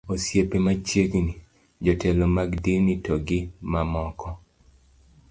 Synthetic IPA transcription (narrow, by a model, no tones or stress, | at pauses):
osjepemat͡ʃjekni | d͡ʒɔtelomaɡdinitoɡɪmamɔkɔ